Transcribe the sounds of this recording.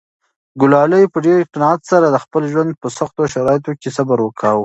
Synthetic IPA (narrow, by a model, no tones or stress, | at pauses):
ɡʊlɑləjpəɖeɾɪqɪnɑɑt̪saɾad̪əxpəlʒwand̪̚pəsaxt̪oʃaɾɑjɪt̪̬okesabaɾwəkʰaw